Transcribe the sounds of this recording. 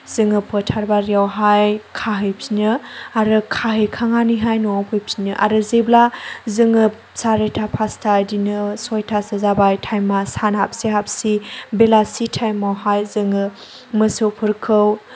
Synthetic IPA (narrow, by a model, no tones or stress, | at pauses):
z̥ɯŋɯpʰɯtʰaɾbaɾijawɦajkʰaɦɯjpsinɯaɾɯkʰaɦɯjkʰaŋaniɦajnuapʰɯjp̚inɯʔa̰ɾɯzeblazɯŋɯ | saɾetʰapʰastʰajdinɯsɔjtʰasɯzabajtʰajmːasanap̚sihap̚sibelasitʰajmːawɦajzɯŋɯ | mɯsɯpʰɯɾkʰɯw